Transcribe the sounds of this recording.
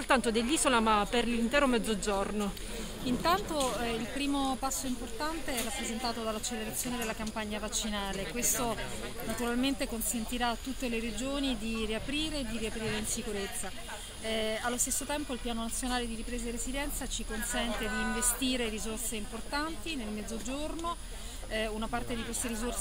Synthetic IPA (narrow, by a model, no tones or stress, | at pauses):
olt̪ant̪od̪elːiːzolamapːerlint̪ɛːɾomɛd̪zːod͡ʒorno | int̪ant̪oilpɾiːmopasːoimport̪ant̪eɛrːapːɾezent̪aːt̪od̪alat͡ʃeleɾat̪sːjoːned̪elakampaɲːavat͡ʃːinaːlekwest̪o | nat̪uɾalment̪ekonsent̪iɾat̪ːut̪ːeleɾed͡ʒoːnid̪iriapɾiːɾeːd̪iɾiapɾiːɾeinsikuɾet̪sːa | alːost̪esːot̪ɛmpoilpjaːnonat̪sːjonaːled̪iɾipɾeːzerezid̪ɛnt̪sat͡ʃikonsɛnt̪ed̪iːɱvest̪iːɾeɾizorseimport̪ant̪inelmɛd̪zːod͡ʒorno | unapart̪ed̪ikwest̪eɾizors